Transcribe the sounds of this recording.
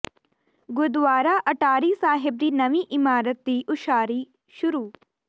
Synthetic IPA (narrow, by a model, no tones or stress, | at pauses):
ɡʊd̪ʋaːɾaːʔɐʈaːɾiːsaːɦɪb̚d̪iːnɐʋĩʔɪmaːɾət̪̚d̪iːʔʊʃaːɾiː | ʃʊɾuː